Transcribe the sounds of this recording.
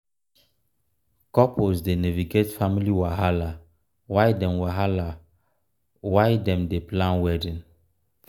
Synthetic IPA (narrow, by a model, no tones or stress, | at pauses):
kɔposdenɛviɡetfamiliwaɦala | wajdɛmwaɦala | wajdɛ̃mdeplãnwɛdĩn